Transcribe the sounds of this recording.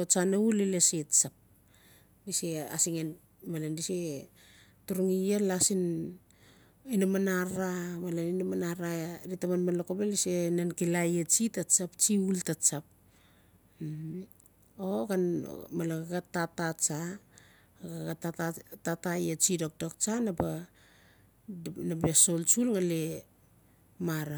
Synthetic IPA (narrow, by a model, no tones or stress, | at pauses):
ot͡ʃaneulileset͡ʃap̚ | disea̰siŋen | malandise | tuɾuŋijelasin | inamanaɾamalaninamanaɾaɾitamanmalokobelisenankilajet͡ʃitat͡ʃapt͡ʃiultat͡ʃap̚ | oɡan̰malaɡaɡatatat͡ʃa | ɡaɡaaatatajet͡ʃidok̚dokt͡ʃanaba | nabeso̞lt͡ʃulŋale | maɾa